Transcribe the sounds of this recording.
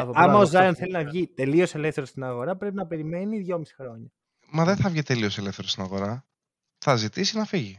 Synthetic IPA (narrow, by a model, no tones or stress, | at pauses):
oɐmɐozzɐlɐnθe̞linɐvʝit̪e̞lio̞se̞le̞fθe̞ɾost̪inɐɣo̞ɾɐpɾe̞pinɐpe̞ɾime̞niðʝo̞misi̥xɾo̞ɲɐ | mɐðenθɐvʝit̪e̞lio̞se̞lefθe̞ɾost̪inɐɣo̞ɾɐ | θɐzit̪isinɐfiʝi